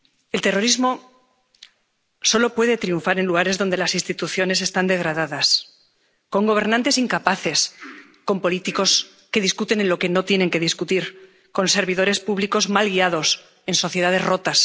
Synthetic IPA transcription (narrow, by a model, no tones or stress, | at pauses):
e̞lt̪e̞ro̞ɾizmo̞ | so̞lo̞pwe̞ðe̞t̪ɾiuɱfaɾe̞nluɣ̞aɾe̞zðo̞nd̪e̞lasinst̪it̪uθjo̞ne̞s̬e̞st̪and̪e̞ɣ̞ɾaðaðas | ko̞ŋɡo̞β̞e̞ɾnãnt̪e̞siŋkapaθe̞s | ko̞mpo̞lit̪iko̞s | ke̞ðiskut̪e̞nenlo̞ke̞no̞t̪je̞ne̞ŋke̞ð̞iskut̪iɾ | ko̞nse̞ɾβiðo̞ɾe̞spuβliko̞zmalɣiað̞o̞s | e̞nso̞θjeaðe̞zro̞t̪as